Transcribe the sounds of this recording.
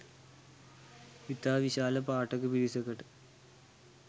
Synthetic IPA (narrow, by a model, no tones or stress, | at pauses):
ʋit̪ːaːʋiɕaːlɐpaːʈːɐkːɨpiɾisɐkːɐʈɨ